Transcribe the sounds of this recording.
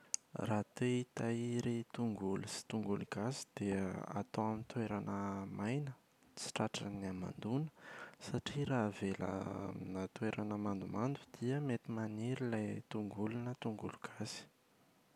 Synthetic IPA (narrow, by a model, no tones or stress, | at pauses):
rat̪eit̪aiɾit̪uŋɡulusi̥t̪uŋɡuluɡazi̥d̪̥ea̰t̪owamint̪weɾanəmajnə | t͡si̥ʈ͡ʂaʈ͡ʂəniama̰nd̪unə̥saʈ͡ʂiɾavelə̰nat̪weɾanəmand̪umand̪ud̪̥iəmet̪imaniɾilajt̪uŋɡulunət̪uŋɡṵluɡ̥azi̥